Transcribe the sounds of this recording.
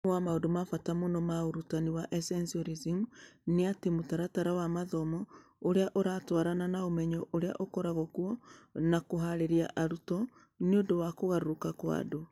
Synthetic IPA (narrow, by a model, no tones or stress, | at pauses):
wamaodomafatamonɔmaoɾutaniwaʔɛsɛnsiɔɾizimneatemotaɾataɾawamaðɔmɔ | oɾeaʔoɾatwaɾananaomɛɲɔʔoɾea̰ʔokɔɾaɣɔkuɔnakoɦaɾeɾiaʔaɾutɔ | neondowakoɣaɾokakwa̰do